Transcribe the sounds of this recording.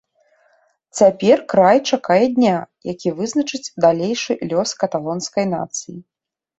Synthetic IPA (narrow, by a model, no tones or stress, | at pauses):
t͡sʲapʲɛrkɾajt͡ʂakajɛd̪ʲnʲajakʲivɨznɐt͡ʂɨt͡sʲd̪alʲejʂɨlʲɔskɐt̪alˠɔnskɐjna̰t̪sɨji